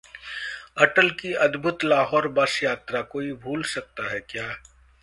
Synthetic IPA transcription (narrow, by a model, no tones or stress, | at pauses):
ɐʈəlkiɐd̪bʱʊt̪laːɦɔːɾbɐsjaːt̪ɾakoːibʱuːlsɐk̚t̪aɦɛkjaː